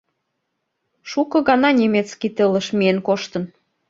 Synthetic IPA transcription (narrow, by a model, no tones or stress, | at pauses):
ʃukɤ̆ɣɑnɑnʲemet͡skit̪ələ̆ʃmienkoʃt̪ə̆n